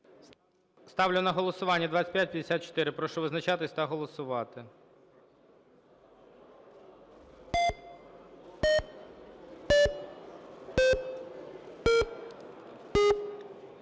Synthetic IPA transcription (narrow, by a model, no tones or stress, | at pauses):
st̪ɑwlʲʊnɐɦɔlˠɔsʊʋɑnʲːɐd̪ʋɑt̪ʲsʲɐ̥tʲpjatʲpʲjɐd̪esʲat̪̚t͡ʃɔ̥t̪ɪɾɪpɾɔʃɔʋɪznɐt͡ʃɑt̪ɪsʲt̪ɐɦɔlˠɔsʊʋɑt̪ɪ